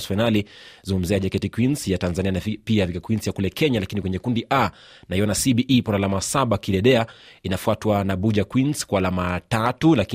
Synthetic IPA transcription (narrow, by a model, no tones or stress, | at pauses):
sfajnalizuŋɡum̩ziaʄakɛtikwinsjatanzanianapiavikakwinsjakulɛkʰɛɲalakinikwɛɲɛkundiʔa | naijɔnasiɓiʔipɔnalamasaɓakiɗɛɗɛainafuatwanaɓuʄakwinskwaːlamatatulak